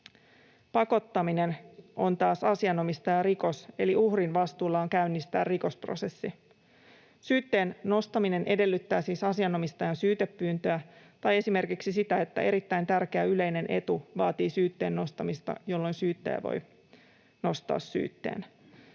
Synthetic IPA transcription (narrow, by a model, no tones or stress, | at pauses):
pɑko̞t̪ːɑmine̞nʔo̞nt̪ɑːsɑsiɑno̞mist̪ɑjɑɾiko̞se̞liuhrinʋɑst̪uːlːɑoŋkæynːist̪æ̰ːriko̞spro̞̰se̞sːi | syːt̪ːe̞ːnːo̞st̪ɑmine̞nʔe̞de̞lːyt̪ːæːsiːsɑsiɑno̞mist̪ɑjɑnsyːt̪e̞pːyːnt̪øæ | t̪ɑje̞sime̞rkiksisit̪æet̪ːæ̰ʔe̞ɾit̪ːæjnt̪ærk̟eæyle̞jne̞nʔe̞̰t̪uʋɑːt̪iːsyːt̪ːe̞ːnːo̞st̪ɑmist̪ɑ̰jo̞lːo̞jnsyːt̪ːḛæ̰ʋo̞̰j | no̞st̪ɑ̰ːsːy̰ːt̪ːe̞̰ːn